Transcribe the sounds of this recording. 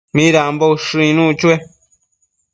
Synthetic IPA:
mĩɾamboʃɨ̃ĩnũt͡ʃue

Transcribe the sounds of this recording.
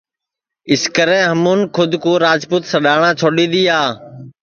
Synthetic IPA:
ɪskəɾẽːɦəmuːnkʰʊd̪ʱkoːɾaːd͡ʒpuːt̪səɗaːɳãːt͡ʃʰoːɗĩːd̪iːaː

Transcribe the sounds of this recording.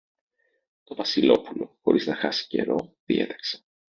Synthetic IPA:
t̪o̞vɐsilo̞pulo̞xo̞̰ɾiznɐxɐsi̥ce̞̰ɾo̞̰ðie̞̰t̪ɐ̥kse̥

